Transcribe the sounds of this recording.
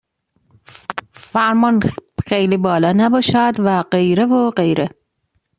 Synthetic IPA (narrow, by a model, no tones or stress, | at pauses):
fæɾmɒnxejliːbɒːlɒːnæbɒːʃæd̪væɢejɾevoɢe̞jɾe